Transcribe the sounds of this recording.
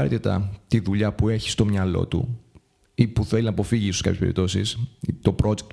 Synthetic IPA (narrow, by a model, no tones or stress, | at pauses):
ɐɾt̪it̪ɐ̰t̪iðuʎɐpue̞çi̥st̪o̞mɲɐlo̞̰t̪ṵ | ipuθelinɐpo̞fiʝisoskɐpçepḛḭp̚t̪o̞sḭst̪o̞pɾo̞d͡ʒek̚t̪